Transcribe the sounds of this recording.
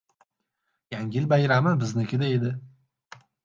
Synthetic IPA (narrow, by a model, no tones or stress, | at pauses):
jaŋʲɪlbajɾamɪbɪznekʲʰɪd̪aed̪ɪ